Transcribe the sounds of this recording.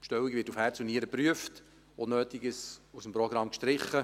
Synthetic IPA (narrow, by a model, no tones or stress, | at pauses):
pʃtɛwikʋɪːtufhæːɾt͡suniəɾəpɾyəft | onøːtɪɡəsusəm̩pɾɔɡɾɑmkʃtɾɪχːə